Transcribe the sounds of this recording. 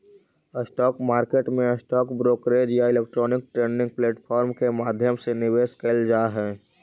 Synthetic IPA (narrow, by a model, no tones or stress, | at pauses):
əsʈɔːkmaːɾkeːʈmẽəsʈɔːkbɾoːkɾeːd͡ʒjaɪlek̚ʈɾɔːnɪk̚ʈɾẽːɳɖɪ̃ŋɡ̚pleːʈfʰɔːɾmkemaːd̪ʱjəmsenɪʋeːskəld͡ʒaːɦɛː